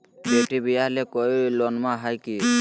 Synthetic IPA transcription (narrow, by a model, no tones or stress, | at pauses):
beʈibijalekɔjlɔnmaɦajki